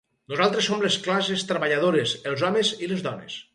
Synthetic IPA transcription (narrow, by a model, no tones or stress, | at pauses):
nuzalˠt̪ɾesːomlesklas̬est̪ɾəβaʎaðoɾeselˠzɔmezilezðɔnḛs